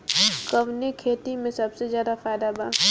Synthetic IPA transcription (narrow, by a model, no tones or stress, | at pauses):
kəʋnekʰeːt̪imẽsɐbsezjaːd̪afaːjd̪abaː